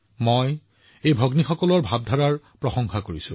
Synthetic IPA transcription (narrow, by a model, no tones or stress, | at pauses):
moj | ejbʱɔɡnixɔkɔlɔɹbʱab̚dʱaɹaɹ | pɹɔxɔŋxakoɹisʊ̰̃